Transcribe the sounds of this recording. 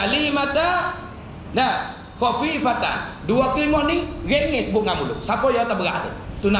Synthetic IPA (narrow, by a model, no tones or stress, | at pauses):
alimat̪a | nə | xɔfifat̪a̰n | duaklimɔʔniɣeʔŋesəbʊʔ̚ŋamulʊ̰ʔsapɔjat̪abəɣaʔlḛt̪una